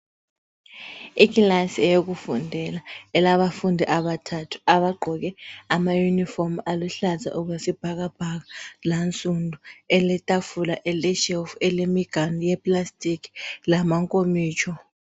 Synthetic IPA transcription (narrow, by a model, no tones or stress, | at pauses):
ikilasiɛjok̬ufundʱɛlaɛlaβafundʱiʔaɓatʰatʰu̥aβaɡ͡ǃʱɔk̬ɛamajunifɔmaluɬazʱa̰ʔuk̬wesib̥ʱaɣ̬ab̥ʱak̬alant͡sʼundʱuɛlɛtʼafulaʔɛlɛʃɛlfuɛlemiɡ̥ʱanijɛpʼlastʼiki̥lamaŋkʼomiːt͡ʃʰɔ